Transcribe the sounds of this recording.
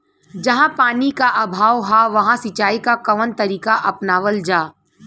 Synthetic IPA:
d͡ʒɐɦãpaːnikaʔɐbʱaːʋɦaʋɐɦãsɪt͡ʃaːikakɐʋənt̪ɐɾiːkaʔɐpnaːʋəld͡ʒaː

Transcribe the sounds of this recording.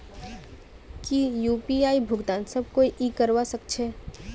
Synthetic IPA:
kijuːpiaːibʱʊɡd̪ãːnsəb̚ʱkoːiʔiːkəɾwasəkt͡ʃʰeː

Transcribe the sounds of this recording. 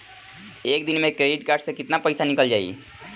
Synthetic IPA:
ekd̪inmekɾeɖiʈkaɾɖsə̃kit̪napəjsanikəld͡ʒaḭ

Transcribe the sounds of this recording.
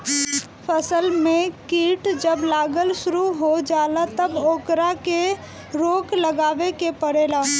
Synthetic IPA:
pʰəsəlmẽkiːʈd͡ʒəblaːɡəlsʊɾuɦod͡ʒaːlat̪əboːkɾake | ɾoːkləɡaːʋekepəɽeːlaː

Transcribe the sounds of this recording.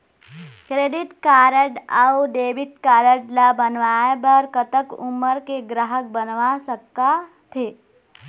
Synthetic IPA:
kɾeːɖɪʈkaːɾəɖauɖeːʋɪʈ̪̚kaːɾəɖlabənʋaebəɾkət̪əkuməɾkeɡɾaɦək̚bənʋasəkːa | t̪ʰe

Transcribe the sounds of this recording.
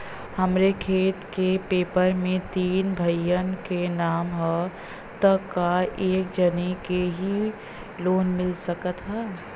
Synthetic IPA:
hɐmɾekʰeːt̪kepeːpəɾmẽt̪iːnbʱɐjənkenaːmɦɛ | t̪əkaeːk̚d͡ʒənikeɦi | loːnmɪlsəkət̪ɦɛː

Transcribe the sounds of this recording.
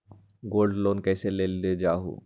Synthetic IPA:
ɡolɖlonkɛjselelːed͡ʒaːɦṵ

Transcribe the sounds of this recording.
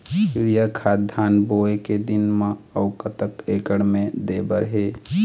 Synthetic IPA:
iɾijakʰad̪ʱanboeked̪inmə̃əʊkət̪əkekəɽmed̪ebəɾɦe

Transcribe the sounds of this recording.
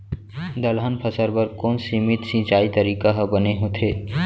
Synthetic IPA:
d̪əlɦənpʰɐsəɾbəɾkoːnsiːmɪt̪sĩt͡ʃaːit̪əɾiːkaɦɐbəneɦõːt̪ʰeː

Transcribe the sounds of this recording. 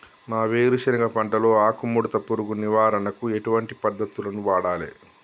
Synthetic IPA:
naːʋeːɾuʃɐɾɐɡɐpɐɳʈɐlo̞ːaːkumːuɽut̪ɐpuɾuɡuniʋaːɾɐnɐkueʈuʋɐɳʈipɐd̪ːɐt̪ːulɐnuʋaːɽaːlḛː

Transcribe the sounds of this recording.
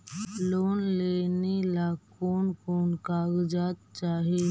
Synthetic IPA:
loːnleːnilaːkoːnkoːnkaːɡd͡ʒaːt̪̚t͡ʃaːɦi

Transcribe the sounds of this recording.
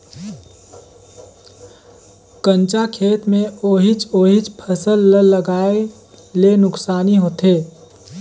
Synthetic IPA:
kə̃nt͡ʃakʰeːt̪mẽoːɦɪt͡ʃoːɦɪt͡ʃpʰəsəlːəlːəɡaːe | lenʊksaːniɦoːt̪eː

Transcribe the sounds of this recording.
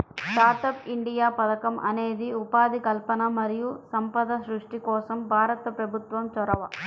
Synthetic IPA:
sʈaːɾʈɐpiɳɖijaːpɐd̪ɐkɐmʔɐ̰ne̞ːd̪iupaːd̪ikɐlpɐnɐmɐɾijusɐmpɐd̪ɐsɾuʂʈikɔːsɐmbʱaːɾɐt̪ɐpɾɐbʱut̪ʋɐmt͡ʃɔɾɐʋɐ

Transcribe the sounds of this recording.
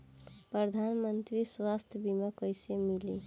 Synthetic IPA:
pɾəd̪ʱanmənt̪ɾiswast̪ʰəbiməkəjsemili

